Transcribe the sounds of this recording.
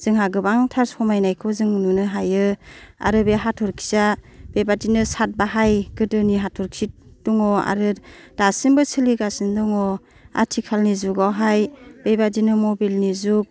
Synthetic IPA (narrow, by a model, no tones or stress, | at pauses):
z̥ɯŋhaɡɯbaŋtʰaɾshɔmajnajkʰɔzɯŋnunɯɦajɯa̰ɾɯbeɦatʰɔɾkʰi̥zabebadinɯsat̚baɦajɡɯdɯniɦatʰɔɾkʰit̚dɔŋɔa̰ɾɯd̥asimbɯsʰɯliɡasindɔŋɔ | a̰tʰikʰalnizuɡawɦajb̥ebadinɯmɔbilnizuk̚